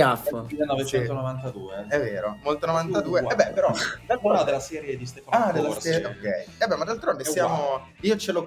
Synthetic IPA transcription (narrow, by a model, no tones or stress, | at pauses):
afmilːenɔvet͡ʃɛnit̪onovant̪ad̪uːeɛvːeːɾomolt̪onovant̪ad̪uːeɛbːɛpeɾɔd̪alɔd̪elːasɛːɾjed̪ist̪ɛfaad̪elasɛokːɛjɛbɛmad̪alt̪ɾond̪essjaːmo | iːot͡ʃelo